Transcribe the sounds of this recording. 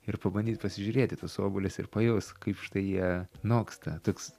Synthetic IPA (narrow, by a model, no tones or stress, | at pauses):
ɪpɐbɐnʲd̪ʲiːt̪̚pɐsʲɪʒʲʊɾʲeːt̪ʲɪt̪oːsoːbʊlʲɪsɪ̰rpɐjɛːskɐɪpʃɪ̥t̪ɐɪjiɛnoːkst̪ɐt̪oːks